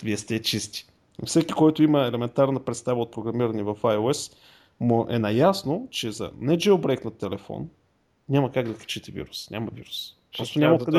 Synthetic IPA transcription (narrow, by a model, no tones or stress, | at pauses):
viɛst̪ʲɛt͡ʃist̪i̥ | fsɛkʲikɔjt̪ʊiməɛlɛmɛnt̪aɾnəpɾɛt̪st̪avəot̪̚pɾoɡɾɐmiɾənivɐfajoɛs | moʔɛ̰nɐjasnot͡ʃɛzɐ̰nɛd͡ʒɛʊbɾɛjknɐt̪ːɛlɛfɔ̰n | ɲʲaməkaɡd̪ɐkt͡ʃit̪ɛvḭɾusnʲʔamɐvḭɾus | pɾɔst̪onʲamɐd̪ɛ